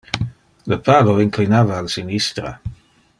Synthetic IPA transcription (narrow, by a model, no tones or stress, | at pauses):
ləpaːloiŋklinaːvaːlsinist̪ɾa̰